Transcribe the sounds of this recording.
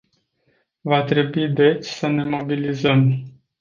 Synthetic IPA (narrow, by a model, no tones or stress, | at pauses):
vat̪ɾe̞buid̪e̞t͡ʃʲsəne̞mo̞bilizəm